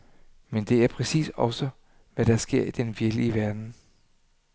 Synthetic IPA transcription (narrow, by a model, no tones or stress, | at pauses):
mend̥e̝æɐpʰʁɛsḭːsɒ̽sə | ʋæɾ̥ɑ̈sɡ̥e̝ɐ̰id̥enʋieɐɡliəʋæɐd̥n̩